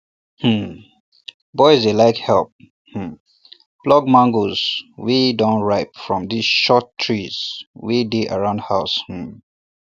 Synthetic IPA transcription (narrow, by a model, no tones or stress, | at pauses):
hm̩ | bɔɪzdelaɪkhɛlp̚ | hm̩ | b̥lɔɡ̚mãŋɡoz̥widõnɹaɪpfɹɔ̃md̪isʃɔtʰːɹiz̥wideʔə̰ɹãʊ̃ndhaʊsh̩